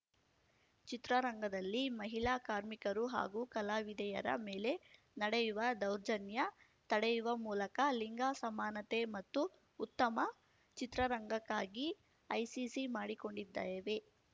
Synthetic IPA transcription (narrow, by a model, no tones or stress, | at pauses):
t͡ʃit̪ɾɐɾɐŋɡɐd̪ɐlːimɐɦilaːkaːɾmikɐɾuɦa̰ːɡuːkɐlaːʋid̪ɛjɐ̰ɾɐ̰meːle̞ | nɐɽejuʋɐd̪ɐwɾd͡ʒɐnjɐ | t̪ɐɽejuʋɐmuːlɐkɐliŋɡaːsɐmaːnɐt̪e̞mɐt̪ːuː | t̪ːɐmɐ | t͡ʃit̪ɾɐɾɐŋɡɐkːaːɡi | ɐjsisimaːɽiko̞ɳɖid̪ːa̰ːjɐʋe̞